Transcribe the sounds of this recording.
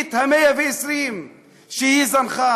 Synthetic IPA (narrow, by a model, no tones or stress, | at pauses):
t̪hamejaveesɾim | ʃehizanχa